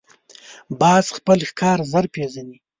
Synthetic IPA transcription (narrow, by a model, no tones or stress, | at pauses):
bɑːzxpəlxkʰɑːɾzəɾpeʒani